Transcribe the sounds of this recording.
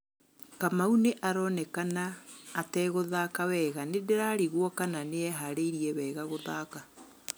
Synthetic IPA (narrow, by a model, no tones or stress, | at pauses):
kamauneʔaɾɔnɛkanaːtɛɣoðaːkawɛːɣanedeɾaɾiɣwɔkananeɛɦaɾeiɾiɛβɛːɣaɣoðaːka